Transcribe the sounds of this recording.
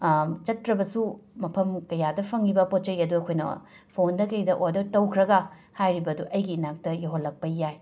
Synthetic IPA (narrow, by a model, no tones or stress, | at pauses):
t͡ʃɐtɾɐbɐsumɐpʰɐmkɐjadɐpʰɐŋibɐpot̚t͡ʃɐjɐduɐkʰojnɐ̰ | pʰondɐkɐjdɐʔojdɐtɐwkʰɾɐɡɐ | hajɾibɐduʔɐjɡiːnak̚tɐjɐɦolːɐk̚pɐjaj